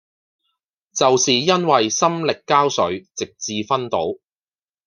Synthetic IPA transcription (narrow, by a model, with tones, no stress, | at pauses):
t͡sɐ˨wsiː˨jɐ˥nwɐ˨jsɐ˥mlɪ˨kːaː˥wsɵ˨˥ɥt͡sɪ˨k̚t͡siː˧fɐ˥nt̪o̰˨˥w